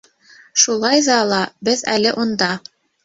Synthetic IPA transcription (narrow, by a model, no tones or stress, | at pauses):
ʃulˠɑjðɑlˠɑbɘðælɘʔund̪ɑ